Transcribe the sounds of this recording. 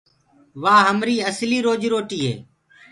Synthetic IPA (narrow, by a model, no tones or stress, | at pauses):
ʋaːɦəmɾiːəsliːɾoːd͡ʒɾoːʈiːɦḛː